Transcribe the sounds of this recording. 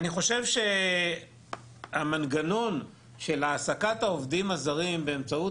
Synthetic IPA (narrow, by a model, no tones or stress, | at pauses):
aniχo̞ʃe̞vʃe̞ | amanɡano̞n | ʃe̞laːsakat̪haovd̪imazaʁimbe̞ːmt͡sau